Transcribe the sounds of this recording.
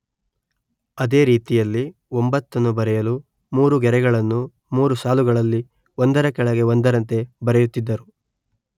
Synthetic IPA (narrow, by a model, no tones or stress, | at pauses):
ɐd̪e̞ːɾiːt̪ijɐlːiombɐt̪ːɐnːubɐɾɛjɐlu | muːɾuɡɛɾɛɡɐɭɐnːu | muːɾusaːluɡɐɭɐlːi | ond̪ɐɾɐkɛɭɐɡe̞ond̪ɐɾɐnt̪e̞bɐɾɛjut̪ːid̪ːɐɾu